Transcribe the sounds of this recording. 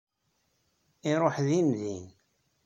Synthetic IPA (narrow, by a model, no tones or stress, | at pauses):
iɾˤoħðimðin